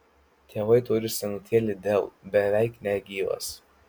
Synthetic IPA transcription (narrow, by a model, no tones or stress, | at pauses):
t̪ʲʰeːʋɐɪt̪ʊɾʲɪsʲɛŋt̪ʲiɛlʲɪd̪ʲelˠbʲɛʋʲɛˑɪknʲɛɡʲiːʋɐ̰s